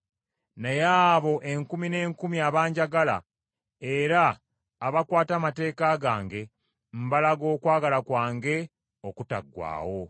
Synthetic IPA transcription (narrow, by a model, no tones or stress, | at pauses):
nejaːβo̞ʔeŋkumine̞ːŋkumiaβaːɲɟaɡala̰ | e̞ɾaː | βakwaːtamate̞ːkaɡaːŋɡe̞ | m̩balaɡo̞ːkwaːɡalakwaːŋɡe̞ | o̞kuta̰ɡːwa̰ːwo̞